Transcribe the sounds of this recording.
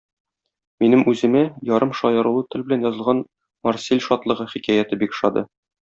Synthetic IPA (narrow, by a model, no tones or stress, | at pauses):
minɘmʉzɘ̆mæjɒɾɤmʃɒjɤ̆ɾulˠɤt̪ɘ̆lbɘ̆lænjɒzɤlˠʁɑn | mɒrsʲilʲʃɒt̪lˠɤ̆ʁɤχikæjæt̪ɘbikʃɒd̪ɤ̰